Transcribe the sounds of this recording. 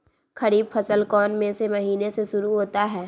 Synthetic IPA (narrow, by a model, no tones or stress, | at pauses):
kɐɾiːbfʰəsəlkɔːnmẽsemɐɦiːneseʃʊɾuɦoːt̪aɦɛː